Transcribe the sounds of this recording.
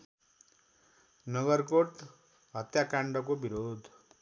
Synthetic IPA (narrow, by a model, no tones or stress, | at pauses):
nʌɡʌrkoʈ | ɦʌt̪jakaɳɖʌkobiɾod̪ʱ